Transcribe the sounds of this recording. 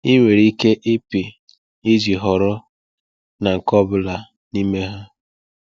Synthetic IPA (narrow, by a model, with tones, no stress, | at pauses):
i˦ŋʷe˨ɾi˦ke˦ʔɪ˦pi˨ | i˦d͡ʒi˨ɦɔ˨ɾɔ˦ | na˨ŋ̩˨kɔ˦bʊ˦la˨ | ni˦me˦ɦa˦